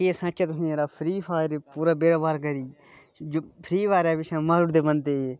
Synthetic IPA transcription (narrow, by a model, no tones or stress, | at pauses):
eːsãːt͡ʃaːt̪ʊsĩːeːɾaːpʰɾiːpʰaːɾpuːɾaːbeːɽaːbaːɾkəɾiː | d͡ʒpʰɾiːʋaːɾaːbɪʃʰãːmaːlʊɽd̪eːbənt̪eːeː